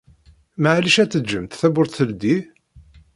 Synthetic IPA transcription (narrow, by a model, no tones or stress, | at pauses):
maʕliʃæt͡sːəd͡ʒːəmt̪θæbʊɾθθəld̪i